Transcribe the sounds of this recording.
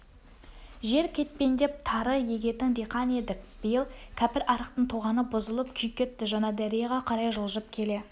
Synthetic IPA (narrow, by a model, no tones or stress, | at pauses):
ʒe̞ɾkʲʰe̞t̪̚pe̞nd̪e̞p̚t̪ʰɑɾəje̞ɡʲe̞t̪ɪŋɾiqɑne̞d̪ɪk̚b̥ɪjəlˠkʲʰæpɪɾʔɑɾəq̚t̪əɴt̪ʰoʁɑnəbʊzəlˠəpkʲʰʏjkʲe̞t̪ːɪʒɑnɑd̪æɾijɑʁɑqʰɑɾɑjʒʊlˠʒəp̚kʲʰe̞le̞